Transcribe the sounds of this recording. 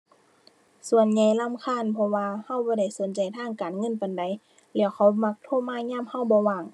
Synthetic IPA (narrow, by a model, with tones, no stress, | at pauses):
su˨˧˨ənɲa˧˩jla˧˥˨mkʰaː˧˥˨npʰɔ˧waː˧ha˧˩wbɔː˧˦da˧˩˨jso˨˦nt͡ɕa˨˩jt̪ʰaː˧˥˨ŋkaː˨nŋɤ˧˥˨npa˨jnda˨j | lɛː˧˩wxʰa˧˩wma˧˥k̚t̪ʰoː˧˥˨maː˧˥˨ɲaː˧˥˨mha˧˨wbɔː˧˦waː˧˩ŋ